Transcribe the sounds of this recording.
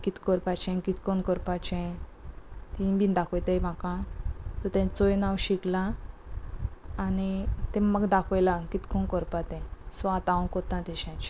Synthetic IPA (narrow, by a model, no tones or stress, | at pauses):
kit̪kɔɾpat͡ɕɛ̃kit̪kɔnkəɾpat͡ɕɛ̃ | t̪ibind̪akʰɔjt̪ejm̤akãt̪ɔt̪ɛ̃t͡sojnawɕiklã | nit̪ɛ̃məɡd̪akʰɔjlãkit̪kɔnkəɾpat̪ɛ̃sʋat̪ãnkɔt̪ãt̪ɛɕãt͡ɕ